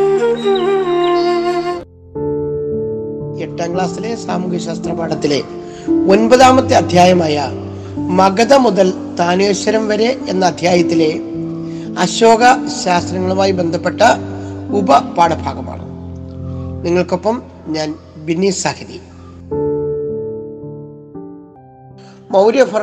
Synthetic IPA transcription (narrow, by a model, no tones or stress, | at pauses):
eʈːaːŋɡɭaːsile̞saːmukjɐɕaːst̪rɐpaːɽɐt̪ːile̞ | o̞nbɐðaːmɐt̪ːeɐd̪ʱjaːjɐmaːjɐ | mɐɡɐðɐmuðɐl | t̪aːneːɕɐɾɐmʋɐɾeʔenːɐːd̪ʱjaːjɐt̪ːile̞ | ɐɕo̞ːɡɐɕaːst̪rɐŋːɐɭumaːjibe̞nd̪ʱɐpːe̞ʈːɐubɐpaːɽɐbʱaːɡɐma̰ːɳɨ̰ | niŋːɐɭko̞pːɐm | ɲaːnbinːiːsaːhɐðḭ | mɐwɾjɐfɐ